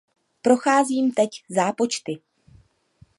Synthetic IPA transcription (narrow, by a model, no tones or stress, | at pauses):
pɾo̞xaːziːmt̪ɛczaːpo̞t͡ʃt̪ɪ